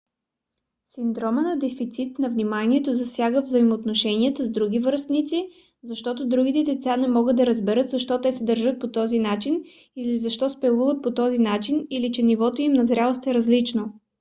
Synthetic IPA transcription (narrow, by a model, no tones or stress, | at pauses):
sind̪ɾɔmənɐd̪ɛfit̪sit̪nɐvnimaniɛt̪ozɐsʲjaɡəvzəimoːt̪noʃɛniət̪əzd̪ɾuɡʲivəɾst̪nit̪si | zɐʃt̪ɔt̪od̪ɾuɡʲit̪ɛd̪ɛt̪sanɛmɔɡəd̪ɐɾəzbɛɾɤt̪zɐʃt̪ɔt̪ɛsɛd̪əɾʒət̪̚pot̪ɔzinat͡ʃin | ilizɐʃt̪ɔspɛlˠuvət̪̚pot̪ɔzinat͡ʃinilit͡ʃɛnivɔt̪oimnɐzɾʲalˠost̪ɛɾəzlit͡ʃno